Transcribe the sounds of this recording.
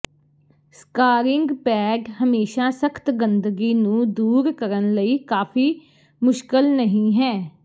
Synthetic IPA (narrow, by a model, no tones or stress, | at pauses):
skaːɾɪŋɡpɛːɖɦəmeːʃaːsəkʰt̪ɡənd̪əɡiːnũːd̪uːɾkəɾənləiːkaːpʰiː | mʊʃkəlnəɦĩːɦɛː